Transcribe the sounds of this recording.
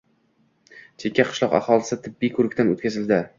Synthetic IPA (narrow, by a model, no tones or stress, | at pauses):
t͡ʃʰe̞kʲːaqʰɨ̥ʃlˠɒqa̰χɒlˠɪsɪt̪ʰɪbːikʰɵɾɪkʲt̪ano̰t̪kʲʰazɪld̪ɪ